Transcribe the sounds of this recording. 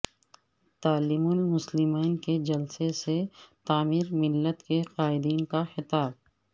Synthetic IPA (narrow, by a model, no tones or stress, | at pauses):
t̪aːlɪmʊnmʊslɪmaːnked͡ʒɐlseset̪aːmɪɾmɪlːət̪keqaːɪd̪iːnkaxɪt̪aːb̚